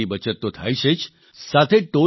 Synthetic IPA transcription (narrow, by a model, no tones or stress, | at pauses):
ibət͡ʃət̪ːot̪ʰa̰jʃet͡ʃ | sat̪ʰeʈo